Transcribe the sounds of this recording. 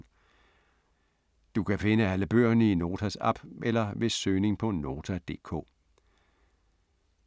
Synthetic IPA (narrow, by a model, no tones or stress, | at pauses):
d̥ukʰæfe̝nəæləb̥ø̰ːɐnəino̝ːt͡sʰæsɑb̥ʔelɐʋe̝søːne̝ŋpʰɒ̽no̝ːt͡sʰæd̥e̝̰ːkʰɔ̰ː